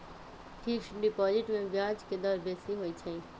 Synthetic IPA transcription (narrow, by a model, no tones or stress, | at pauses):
ʈʰikʃɖipɔːd͡ʒɪʈmẽbjad͡ʒked̪ɔɾbesiɦoːit͡ʃʰeĩ